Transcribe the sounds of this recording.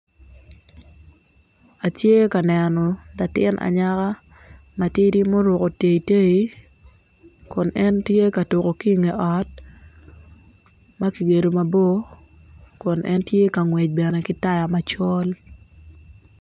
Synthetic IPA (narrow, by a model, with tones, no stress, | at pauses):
a˨tje˦ka˨nɛ˨nɔ˨da˨tɪ˦nʔa̰˨ɲa˦ka˦ | ma˨ti˦ɾi˦mo˦ɾʊ˨ko˨te˨i˨te˦i˨ | kʊ˨nɛ˦ntje˦ka˨to˨ko˨ki˦ŋe˨ʔɔ˨t̚ | ma˦ki˨ɡe˨do˨ma˨bo˦ | kʊ˨nɛ̰˦ntje˦ka˨ŋwɛ˨t͡ʃ̚bɛ˨nɛ˨kɪ˦ta˦ja˨ma˨t͡ʃɔ˦l